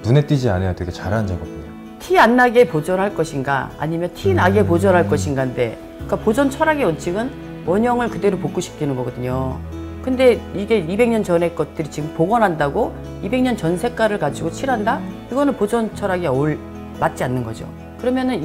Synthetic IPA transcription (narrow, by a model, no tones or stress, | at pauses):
nune̞t͈id͡ʑia̰nejateɡet͡ɕaɾand͡ʑaɡʌp̚u | tʰianːaɡe̞pod͡ʑʌnɦaɭk͈ʌɕʰinɡa̰a̰ɲimjʌntʰinaɡe̞pod͡ʑʌnɦaɭk͈ʌɕʰinɡande̞ | ik͈apod͡ʑʌnt͡ɕʰʌɾaɡeʌnt͡ɕʰiɡɯn | wʌɲʌŋɯɭkɯde̞ɾopok͈oɕʰi̥p̚k͈inɯnɡʌɡʌdɯɲo | kɯnde̞iɡe̞ibe̞ŋɲʌnt͡ɕʌne̞k͈ʌt̚t͈ɯɾit͡ɕiɡɯmpoɡʌnɦandaɡo | ibe̞ŋɲʌnt͡ɕʌnsʰe̞k͈aɾɯɭkad͡ʑiɡot͡ɕʰiɾɦandaiɡʌnɯnpod͡ʑʌnt͡ɕʰʌɾaɡeoɭ | mat̚t͡ɕ͈ianːɯnɡʌ̰d͡ʑo̰ | kɯɾʌmjʌnɯn